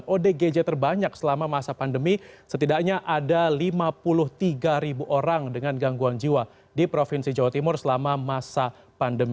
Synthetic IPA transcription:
nʔodeɡed͡ʒet̪ərbaɲak̚səlamamasapandəmisət̪idak̚ɲaʔadalimapulʊht̪iɡaɾibuʔoɾaŋdəŋanɡaŋɡuand͡ʒiwa | dipɾofɪnsid͡ʒawat̪imʊrsəlamamasa | pandəmi

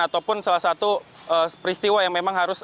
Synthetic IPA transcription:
at̪awpʊnsalahsat̪u | əpɾist̪iwajaŋmemaŋɦaɾʊs

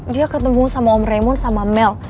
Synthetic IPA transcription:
diakət̪əmbuŋasamaɔmremɔnsamamɛl

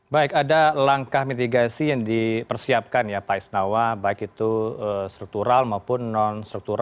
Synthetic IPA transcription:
baɪkadalaŋkahmit̪̬iɡasijaŋdipərsiap̚kanjapaisnawabaɪkit̪uəst̪ɾuk̚t̪uɾalmaupʊnːɔnst̪ɾuk̚t̪uɾa

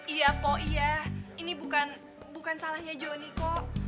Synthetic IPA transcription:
ijapɔʔijahinibukan | bukansalahɲad͡ʒonikɔʔ

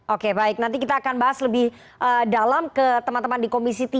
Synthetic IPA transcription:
ʔokebaɪk̚nãnt̪ikit̪aːkanbaɦasləbɪh | ʔədalamkət̪əmãnt̪əmandikomisit̪i

